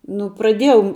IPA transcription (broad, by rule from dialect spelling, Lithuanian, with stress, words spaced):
ˈnʊ prɐˈdʲiɛjɛʊ